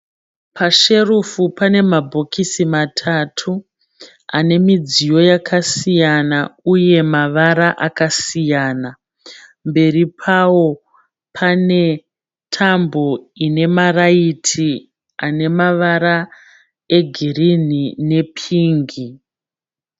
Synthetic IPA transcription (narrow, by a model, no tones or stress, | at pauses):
pʰaʃe̞rufupane̞mabʱo̞kisimatʰatʰu | ane̞mid͡zijo̞jakʰasijanauje̞maʋaɾaʔakasijaːna | mbe̞ripʰawo̞ | pʰane̞ | tʰambo̞ine̞maraitʰi | ane̞maʋaɾa | e̞ɡʱirinine̞pʰiːŋɡi